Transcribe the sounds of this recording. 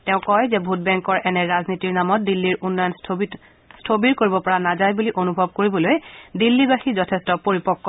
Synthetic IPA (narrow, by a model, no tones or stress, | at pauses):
tɛʊ̃kɔjzɛbʱut̚bɛŋkɔɹʔɛnɛɹaznitiɹnamɔt̚dilːiɹʔunːɔjɔnʰ | stʰobiɹkoɹibɔpɔɹanazajbuliʔonubʱɔb̚koɹibɔlojdilːibaxizɔtʰɛstɔpoɹipɔkːɔ